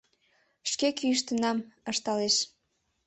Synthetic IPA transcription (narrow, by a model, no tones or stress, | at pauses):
ʃkekyəʃt̪ənɑməʃt̪ɑleʃ